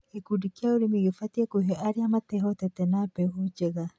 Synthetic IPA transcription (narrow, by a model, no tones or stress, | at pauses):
ekudikiauɾimiɣfatiekuɦeʔaɾiamatɛɦotɛtɛnapɛɦud͡ʒeɣa